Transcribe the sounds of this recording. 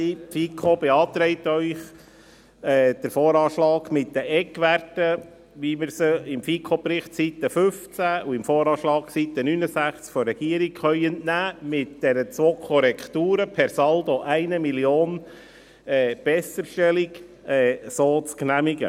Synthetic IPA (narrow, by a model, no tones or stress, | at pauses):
ifikʰobɛɑːt̪ɾɛɪt̪œʏχ | ɛːd̥̪əɾfoːɾɑːʃlɑːɡmɪt̪̚d̪əʔɛkʋærtə | ʋimɪɾsəɪmfikʰopɾɪχtt͡sit̪ːəfʏft͡sæuɪmfoːɾɑːʃlɑːksit̪ːənynəsæχt͡skfɔrɛɡ̥iəɾikχœʏəntnæːmɪtd̪̥ɛɾət͡sʋoːkʰɔɾɛkʰt̪uːɾəpʰɛɾsɑld̪oʔæɪnəmiljoːn | ɛːb̥ɛsːəɾʃtɛlik | ɛsoːt͡sknæmiɡə̰